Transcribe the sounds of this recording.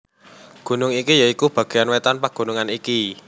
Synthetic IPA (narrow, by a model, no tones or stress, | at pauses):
ɡ̥ṳnʊŋikijaikub̥ä̤ɡ̥e̤janwet̪anpaɡ̥ṳnuŋaniki